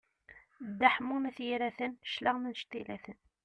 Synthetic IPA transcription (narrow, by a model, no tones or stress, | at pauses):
d̪ːaħmumæθjiɾæθənʃləʁmənʃt̪ilæθən